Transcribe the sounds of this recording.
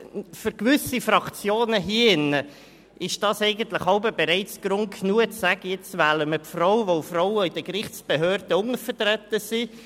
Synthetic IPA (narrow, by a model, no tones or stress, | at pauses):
fʏɾkʋʏsifrɑkt͡sjoːnəɦiːəɪnə | ʔɪʃd̥ɑːsɛɪɡən̩t̪ləχhɑʊbəbeɾɛɪt͡sɡ̥ɾʊŋkʰnuːət͡ssæɡəjɪt͡svæːləməpfrɔwʋofrɔwəid̥əkrɪχt͡sb̥eɦøːɾd̥əʊŋəfəɾt̪ɾɛt̪əsi